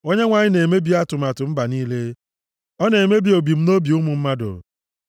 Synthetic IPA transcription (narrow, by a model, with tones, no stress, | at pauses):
o˦ɲe˦ŋʷa˨ɲɪ˦ne˨me˦bi˦a˦tʊ˨ma˨tʊ˨m̩˦ba˨niː˦le˦ | ɔ˦ne˨me˦bi˦o˨bi˨m̩˦no˦bi˨u˦mʊ˨m̩˦ma˦dʊ̰˨